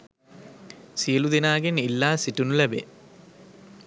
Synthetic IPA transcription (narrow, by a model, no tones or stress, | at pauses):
sijɐlud̪inaːɡenilːaːsiʈunulɐbḛ